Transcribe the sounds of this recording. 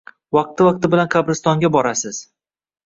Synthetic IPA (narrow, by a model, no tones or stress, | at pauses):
vɑq̚t̪ʰɪvɑq̚t̪ɪbɪlankʰabɾɪst̪ɒŋɡʲabɒɾasɪz̥